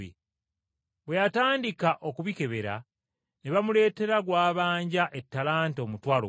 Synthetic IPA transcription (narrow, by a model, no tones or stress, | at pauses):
ḛ | βwejataːndikaʔo̞kuβike̞βe̞ɾa̰ | neβamule̞ːte̞ɾaɡwaːβaːɲɟaʔe̞tːalaːnto̞ːmutwaːlo